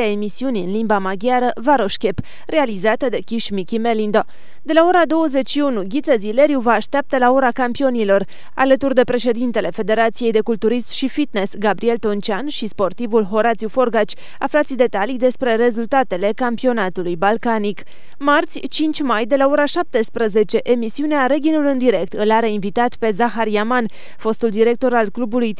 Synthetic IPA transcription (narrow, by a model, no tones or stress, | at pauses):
ae̞misiuniɨnlimbamaɡʲjaɾəvaɾo̞ʃkʲe̞p | re̞alizat̪əd̪e̞kʲiʃmikʲimelind̪o | d̪e̞lao̞ɾad̪o̞wəze̞t͡ʃʃiunuɡʲit̪səzile̞ɾjuvaːʃt̪eap̚t̪alao̞ɾakampio̞nilo̞r | a̰lət̪urd̪e̞pɾe̞ʃe̞d̪int̪e̞le̞fe̞d̪e̞ɾat̪sije̞jd̪e̞kult̪uɾismʃifit̪nesɡabɾie̞lt̪o̞nt͡ʃʲanʃispo̞rt̪ivulɦo̞ɾat̪siufo̞rɡat͡ʃʲ | a̰flat̪sʲid̪e̞t̪alijd̪e̞spɾe̞ɾe̞zult̪at̪e̞le̞kampio̞nat̪ulujbalkanik | mart̪sʲt͡ʃint͡ʃʲmajd̪e̞lao̞ɾaʃap̚t̪e̞spɾəze̞t͡ʃe̞ʔemisiuneaɾe̞ɡʲinulɨnd̪iɾe̞k̚t̪ɨlaɾe̞invit̪at̪pe̞zaxaɾiaman | fo̞st̪uld̪iɾe̞k̚t̪o̞ɾalklubuluj